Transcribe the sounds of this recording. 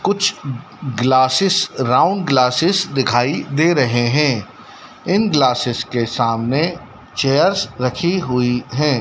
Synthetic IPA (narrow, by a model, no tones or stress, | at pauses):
kʊt͡ʃʰ | ɡlaːsɪsɾãːʊ̃ɳɖɡlaːsɪsd̪ɪkʰaːid̪eːɾɐɦeɦɛ̃ː | ɪnɡlaːsɪskesaːmne | t͡ʃeːjəɾsɾɐkʰiɦʊiɦɛ̃ː